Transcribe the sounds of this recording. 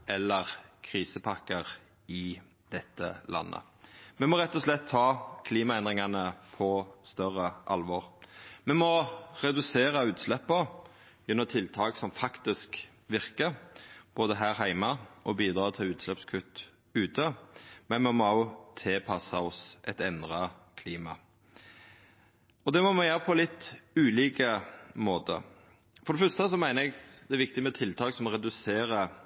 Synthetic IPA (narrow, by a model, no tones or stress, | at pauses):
ʔɛlːəʁkʰʁiːsəpʰɑkːəʁ | ɪ | d̪̥ɛt̪ːə̰lɑ̰nːə̰ | mɛmɔɾɛt̪ːɔslɛt̪hɑːkʰliːmɑɛnd̪ʁɪŋɑnəpʰɔst̪œʁəʔɑlʋɔʁmɛmɔʁɛd̪ʉseːʁɑʉːt̪slɛpːə | jɛnːɔmt̪ʰɪlt̪ʰɑːɡsɔmfɑkt̪ɪsk | ʋɪʁkəɾb̥oːd̪əɦæːʁɦæɪmɑʔɔbiːd̪ɾɑːt̪ʰɪlʉːt̪slɛpskʰʉt̪ː | ʉːt̪əmɛnmɛmoɑʊt̪ʰɪlpʰɑsɑɔsʔɛt̪ɛnd̪ʁɑkʰliːmɑ̰ | ɔd̪ɛmɔmɛjøːɾəpʰɔlɪt̪ʉːliːkəmoːt̪ə̰ | fɔɾɖ̪ɛfœst̪əsɔmæɪnəɛɡd̪ɛæɾʋɪkt̪ɪmɛt̪ʰɪlt̪ʰɑːksɔmɔɾɛd̪ʉseːɾə